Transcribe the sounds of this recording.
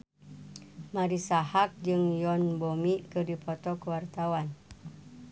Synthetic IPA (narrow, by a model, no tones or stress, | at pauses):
maɾisahak̚d͡ʒɨŋjɔnbomikɨdipɔt̪ɔkəwart̪awan